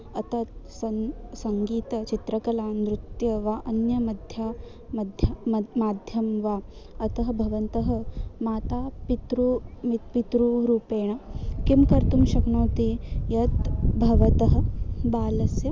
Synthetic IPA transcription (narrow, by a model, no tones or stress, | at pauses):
ɐt̪ɐt̪sɐnsɐŋɡiːt̪ɐt͡ʃit̪ɾɐkɐlaːnd̪ɾut̪jɐʋaʔɐnjɐmɐd̪ʱjaː | mɐd̪ʱjɐmaːd̪ʱjɐmʋa | ɐt̪ɐɦɐbʱɐʋɐnt̪ɐɦɐ̆maːt̪aːpit̪ɾumipit̪ɾuɾuːpeːɳɐkimkɐɾt̪umʃɐkɳõːt̪ijɐt̪bʱɐʋɐt̪ɐɦɐ̆baːlɐsjɐ